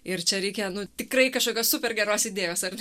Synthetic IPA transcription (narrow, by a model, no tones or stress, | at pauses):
ɪrt͡ʃʲɛɾʲɛɪkʲɛnʊt̪ʲɪkrɐɪkɐʃkoːkʲoːsʊpʲɛrɡʲɛɾoːsɪd̪ʲeːjoːsɐr